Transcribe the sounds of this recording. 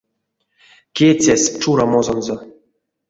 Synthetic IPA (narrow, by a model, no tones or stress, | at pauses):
kʲet͡sʲæsʲt͡ʃuɾamozonzo